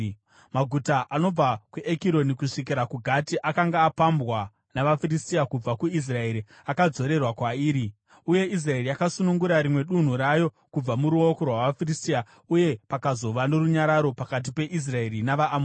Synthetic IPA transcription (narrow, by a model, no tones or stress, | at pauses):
maɡʱutaʔano̞b͡vakwuʔekiɾo̞nikuʂik̬iɾakuɡʱatiʔakaŋɡaːpambwa | naʋafiristijakub͡vakuis̬rae̞ɾi | akad͡zo̞ɾe̞rwakwaiːɾi | uje̞ʔis̬rae̞riakasunuŋɡuɾaɾimwe̞ɗun̤uɾajo̞ | kub͡vamuɾuo̞ko̞rwaʋafiristia | uje̞pakazo̞ʋano̞ruɲaɾaɾo̞pakat̬ipe̞ʔis̬raeɾinaʋaʔːmo